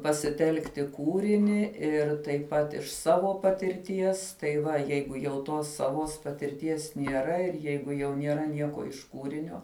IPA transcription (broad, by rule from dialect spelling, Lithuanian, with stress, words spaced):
pɐsʲɪˈtʲɛlˠktʲɪ ˈkuːrʲɪnʲɪ ɪr tɐɪp ˈpɐt ɪʃ ˈsɑːʋoː pɐtʲɪrʲˈtʲiɛs tɐɪ ˈʋɐ ˈjɛɪɡʊ jɛʊ ˈtoːs sɐˈʋoːs pɐtʲɪrʲˈtʲiɛs nʲiɛˈrɐ ɪr ˈjɛɪɡʊ jɛʊ nʲiɛˈrɐ ˈnʲiɛkoː ɪʃ ˈkuːrʲɪnʲoː